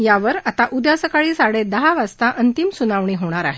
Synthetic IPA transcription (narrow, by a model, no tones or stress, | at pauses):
jaʋəɾat̪aʔud̪jasəkaɭiːsaɽed̪əɦaʋast̪aʔənt̪imsunaʋɳ̃iːɦoɽ̃aɾaɦe